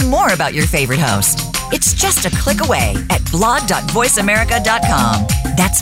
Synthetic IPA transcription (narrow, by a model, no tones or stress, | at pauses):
mɔɹɨbaʊt͡ʃə˞feɪvə˞ɨt̚hoʊstɨtsd̥ʒ̥ʌstɨkʰl̥ɪkəweɪɨt̚b̥lɑɡ̚dɑtv̥ɔɪsɨmɛɹɨkɨdɑt̚kʰɑ̰̃mðæts